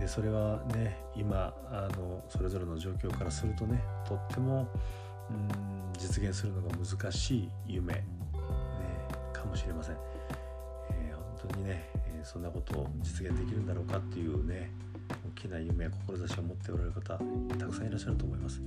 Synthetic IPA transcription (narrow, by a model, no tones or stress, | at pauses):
d̪e̞so̞ɾe̞βane̞ | ima | ano̞so̞ɾe̞zo̞ɾe̞no̞ʑo̞ːkʲo̞ːkaɾasɨɾɯ̟t̪o̞ne̞t̪ʰo̞t̪ːe̞mõ̞ | d͡ʑit͡sɨɡʲẽsɨɾɯ̟no̞ɡamɯ̟zɨkaɕiː | jɯme̞̰ | ne̞kʰamo̞ɕiɾe̞masẽ̞ŋ | ehõ̞nt̪o̞ɲ̟ine̞sõ̞nːako̞t̪o̞̰ːd͡ʑit͡sɨɡẽ̞nd̪ekʲiɾɯ̟nd̪aɾo̞ːkat̪ːe̞jɯ̟ːne̞ | okʲʰinajɯ̟me̞ko̞ko̞ɾo̞zaɕiomo̞t̪ːe̞o̞ɾaɾeɾɯ̟kat̪at̪akɯ̟̥sãiɾaɕːaɾɯ̟t̪o̞ːmo̞imasɨ̥